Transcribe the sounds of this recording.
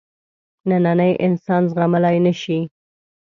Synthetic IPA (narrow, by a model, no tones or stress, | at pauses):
nananəjʔɪnsɑnzɣamalajnəʃi